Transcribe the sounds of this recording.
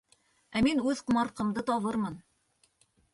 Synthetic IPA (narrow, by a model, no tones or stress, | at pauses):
æminʉðqɤ̆mɑɾqɤ̆md̪ɤt̪ɒβɤɾmɤn